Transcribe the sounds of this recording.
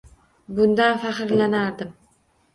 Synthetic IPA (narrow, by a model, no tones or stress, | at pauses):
bʊnd̪anfaχɨɾlanaɾd̪ɪm